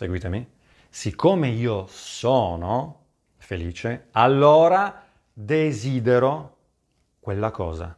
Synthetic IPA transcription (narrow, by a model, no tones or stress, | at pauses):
sḛɡwiːt̪emi | sikʰːomeiːosɔːno | feliːt͡ʃealːoːɾa | d̪eziːd̪eɾo | kwelːakɔ̰ːza̰